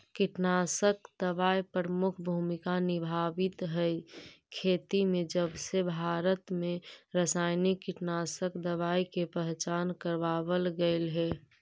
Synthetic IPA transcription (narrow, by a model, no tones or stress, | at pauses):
kɪʈnaːsəkd̪əʋaːjpɾɾəmʊkʰbʱuːmɪkanɪbʱaːʋɪt̪ɦɛkʰeːt̪imẽd͡ʒəbsebʱaːɾət̪mẽɾəsaːɪnɪkːɪʈnaːsəkd̪əʋaːikepɛɦt͡ʃaːnkəɾʋaːwəlɡəɪlɦɛː